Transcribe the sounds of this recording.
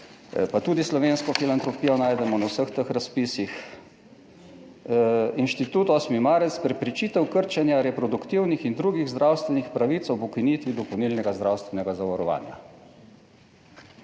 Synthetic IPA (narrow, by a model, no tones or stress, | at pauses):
pat̪uːd̪islɔʋenskɔfilant̪ɾɔpiːjɔnaːjd̪ɛmɔnawsəxt̪əxɾaspiːsix | inʃt̪it̪uːt̪ɔːsmimaːɾɛt̪spɾɛpɾɛt͡ʃiːt̪ɛwkəɾt͡ʃɛnjaɾɛpɾɔd̪ukt̪iwnixind̪ɾuːɡiɣzd̪ɾawst̪ʋɛnixpɾaʋiːt̪swbukinit̪ʋid̪ɔpownilnɛɡazd̪ɾawst̪ʋɛnɛɡazaʋɔɾɔʋa̰ːnja